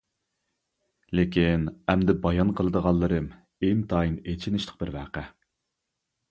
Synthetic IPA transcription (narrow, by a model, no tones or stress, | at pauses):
lekʲinɛmd̪ɪbɑjɑnqʰəlˠɨd̪əʁɑlˠːɨɾɨm | eŋt̪ʰɑːjinet͡ʃʰinɪʃlˠə̥q̚bɪɾvæːqæ